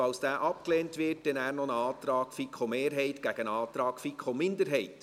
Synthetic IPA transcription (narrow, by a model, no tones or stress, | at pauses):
ɑlsd̥æːʔɑp̚kleːntʋɪrtdɛnæːɾnɔnəɑːt̪ɾɑːkfikʰχomeːɾɦɛɪtɡ̥æɡ̥ənɑːt̪ɾɑːkfikʰχomɪnd̪əɾɦɛɪt